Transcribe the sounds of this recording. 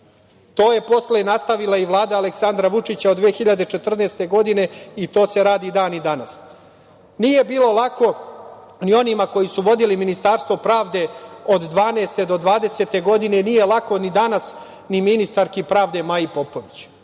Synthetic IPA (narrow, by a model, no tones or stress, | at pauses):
t̪o̞ːje̞po̞slenast̪aʋilˠaiʋlˠaːd̪aːleksand̪ɾaʋut͡ʂit͡ɕaod̪ʋeːxiʎad̪et͡ʃe̞t̪r̩neːst̪e̞ɡo̞d̪ine̞it̪o̞ːse̞ɾaːd̪id̪aːnid̪anas | nije̞biːlo̞lˠako̞ | nio̞nimako̞jisuʋo̞d̪iliminist̪aɾst̪ʋo̞pɾaːʋd̪e̞o̞d̪ːʋaːneːst̪e̞d̪o̞d̪ʋaːd̪e̞se̞t̪e̞ɡo̞d̪ine̞nije̞lˠako̞nid̪anas | niminist̪aɾkipɾaːʋd̪emajipo̞po̞ʋit͡ɕ